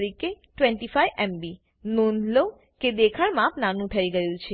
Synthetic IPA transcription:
ɾikeʈʋɛ̃ɳʈifajɛmbi | nunlo | ked̪ekʰəɭmãpnanũt̪ʰəiɡəjũt͡ʃʰe

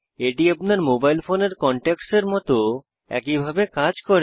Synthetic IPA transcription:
eʈiapnaɾmobajlfoneɾkɔɳʈekseɾmɔt̪o | ɛ̰kibʱabekad͡ʑkɔɾe

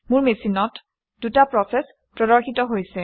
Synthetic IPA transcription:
muɹmesinɔt | d̥utapɹɔsɛs | pɹɔdɔɹxʰitɔɦojsɛ

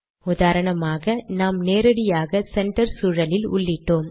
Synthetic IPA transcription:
ʊðaːɾɐɳɐmaːɣɐnaːmneːɾɐɽɪjaːɣɐsɛɳʈɐɾsuːɻɐlɪlʊ̰ɭːɪʈːoːm

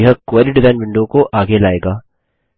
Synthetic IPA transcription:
ɦəkoːɾɪɖɪzaːɪnʋɪ̃ɳɖõkoʔaːɡelaːeːɡaː

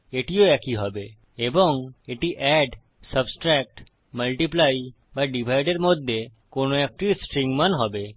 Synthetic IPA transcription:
eʈioɛkiɦɔbe | ebɔŋeʈiʔɛɖ | səbsʈɾɛk̚ʈ | məlʈiplaj | baɖibʱajɖeɾmod̪ʱje | konoɛk̚ʈisʈɾiŋɡmanɦɔbe

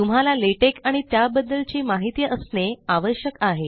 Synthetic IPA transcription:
t̪um̤alaleʈekaɽ̃it̪jabəd̪ːəlt͡ɕiːmaɦit̪ijəʔəsneaʋəɕjəkaɦe

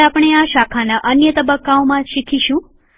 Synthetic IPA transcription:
apɳ̃eaʃakʰanaʔənjət̪əbəkːaomãʃikʰiʃũ

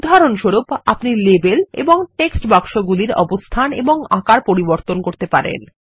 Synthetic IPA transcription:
ud̪ʱaɾonʃoɾupa̰pniɾlebelḛboŋʈeksʈbakʃoɡuliɾɔ̰bost̪ʰanḛboŋakaɾpoɾiboɾt̪onkoɾt̪epaɾḛn

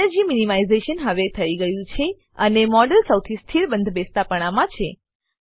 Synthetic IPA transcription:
əɾd͡ʒiminimaizeʃənɦəʋet̪ʰəiɡəjũt͡ʃʰe | ənemɔɖəlsəwt̪ʰist̪ʰiɭbə̃nd̪ʱbest̪apəɽ̃amãt͡ʃʰe

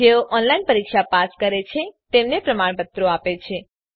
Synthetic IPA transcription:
eoʔɔnlainpəɾikʃapaskəɾet͡ʃʰet̪emnepɾəmaɳbət̪ːɾoapet͡ʃʰe

